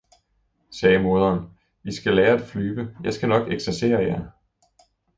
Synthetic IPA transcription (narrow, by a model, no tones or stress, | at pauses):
sɛːəmo̝ðˠɐːn | isɡ̥ælɛːɐæd̥flyːb̥əjɑ̈ɪsɡ̥ænɒ̽ɡ̥eɡ̥sæɐse̝̰ːɐjæ